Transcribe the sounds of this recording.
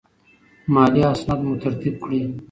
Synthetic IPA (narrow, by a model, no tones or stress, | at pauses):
maːliasnat̪mut̪əɾt̪ib̚kʰɽiː